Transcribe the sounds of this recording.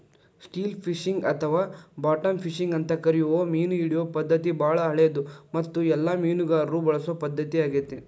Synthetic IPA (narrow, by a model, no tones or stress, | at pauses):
sʈiːlpʰiʂiŋɡɐt̪ʰɐʋaːbaːʈɐmpʰiʂiŋɡɐnt̪ɐkɐɾijuʋoːmiːnuiɽijʋoːpɐd̪ːɐt̪ibʱaːɭɐɦɐɭɛjɐd̪umɐt̪ːuɛlːamiːnuɡaːɾɾuːbɐɭɐsopɐd̪ːɐt̪iaːɡit̪ːe